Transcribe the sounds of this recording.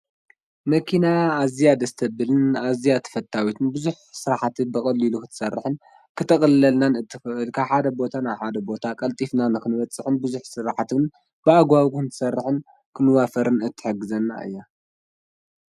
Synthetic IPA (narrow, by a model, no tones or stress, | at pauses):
mɐkʰinaːzijad̪ɐst̪ʰɐbɨlɨnazijat̪ʰɐ̥fɐt̪ʰːawit̪ʰɨnbɨzuħsɨɾaħat̪ʰɨnbɨkʼɐlːilukʰɨt̪ʰɨ̥sɐrːɨħɨn | kʰɨt̪ʰɐkʼɐlɨːɐlnanɨt̪ʰːɨfɨʔɨlkʰaħad̪ɐbo̞t̪ʰanaβħad̪ɐbo̞t̪ʰakʼɐlt̪ʼifnanɨkɨnɨβɐt͡sʼːɨħɨnbɨzuħsɨɾaħat̪ɨn | b̥ɨaɡwaɡuxɨnt̪ʰɨ̥sɐrːɨħɨn | kʰɨnɨwafɐɾɨnɨt̪ʰːɨ̥ħɨɡːɨzɐnːa̰ɨ̰jːa